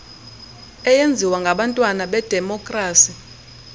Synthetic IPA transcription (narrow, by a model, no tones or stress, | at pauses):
ɛjend͡zʱiwaŋɡʱaɓantʼwanaɓɛd̥ʱɛmɔkʼraːsi